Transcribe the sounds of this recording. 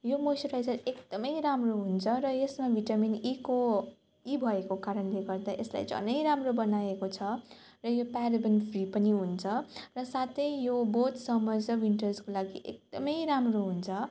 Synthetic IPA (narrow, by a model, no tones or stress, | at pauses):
jomosʌɾajsʌlekd̪̥ʌmʌjɾamroɦunt͡sʰʌɾʌjesmabʱiʈaminiko | ibʱʌekokaɾʌnleɡʌrd̪aʔesla̰jd͡zʱʌ̰nʌjɾamrobʌnaekot͡sʰʌ | rʌjopaɾibʌnpʰripʌniɦunt͡sʰʌrʌsat̪ʰʌjjobot̪sʌmʌd͡zʌwiɳʈʌrskolaɡiʔḛk̚d̪ʌmʌjɾamroɦunt͡sʰʌ